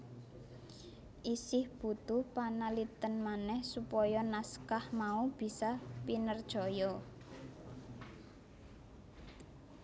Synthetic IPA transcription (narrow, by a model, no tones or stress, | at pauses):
ʔisɪhb̥ṳt̪ʊhpanalit̪ənmanɛhsupɔjɔnaskahmaub̥i̤sapinərd̥ʒ̥ɔ̤jɔ